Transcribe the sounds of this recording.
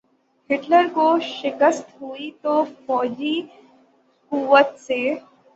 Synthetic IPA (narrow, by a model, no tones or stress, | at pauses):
hɪʈləɾkoʃɪkəst̪ɦuit̪ofɔːd͡ʑiː | kuʋət̪se